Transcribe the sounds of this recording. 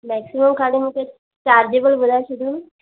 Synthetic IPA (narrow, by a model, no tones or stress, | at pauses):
mɛːksiməmkʰaːɽimũke | t͡ʃaːɾd͡ʒeːbəlbʊd̪aʃud̪unu